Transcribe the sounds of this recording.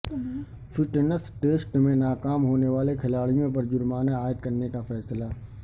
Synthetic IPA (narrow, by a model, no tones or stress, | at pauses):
fɪʈənəsʈeːsʈmẽnaːkaːmɦoːneʋaːlekʰɪlaːɽijõpɐɾd͡ʒʊɾmaːnaaːɪd̪̚kɐɾnekafɛːslaː